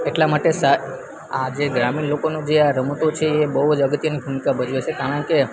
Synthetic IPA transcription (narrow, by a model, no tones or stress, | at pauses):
eʈlamaʈesa | ad͡ʒeɡɾaminlokonũd͡ʒeaɾəmut̪ot͡ʃʰeːbəɦuəd͡ʒəɡət̪jənibʱumikabəd͡ʒʋet͡ʃʰekaɽəɳke